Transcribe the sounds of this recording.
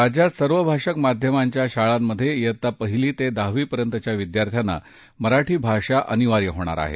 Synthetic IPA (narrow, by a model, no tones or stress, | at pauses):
ɾad͡ʑjat̪səɾʋəbʱaʂəkmad̪ʱjəmaɲt͡ɕjaɕaɭamːəd̪ʱːjejət̪ːapəɦiliːt̪ed̪aɦʋiːpəɾjənt̪ət͡ɕjaʋid̪jaɾt̪ʰjana̰ | məɾaʈʰiːbʱaʂaʔəniʋaɾjəɦoɽ̃a̰ɾa̰ɦḛ